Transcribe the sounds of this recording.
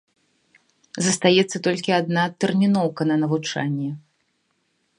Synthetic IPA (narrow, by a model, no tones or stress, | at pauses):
zɐst̪ajɛt̪sːɐt̪ɔlʲkʲiad̪nat̪ɛrmʲinɔwkɐnɐnɐvut͡ʂa̰nʲːɛ